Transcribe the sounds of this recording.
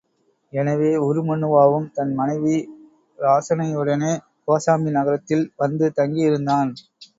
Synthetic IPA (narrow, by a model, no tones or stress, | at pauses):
ɛnɐʋeːʊɾɯmɔɳːɯʋaːʋɯmt̪ɐnmɐnɐɪʋi | ɾaːsɐnɐjɯɽɐneː | poːsaːminɐɣɐɾɐt̪ːɪlʋɐnd̪ɯt̪ɐŋɡijɪɾɯnd̪aːn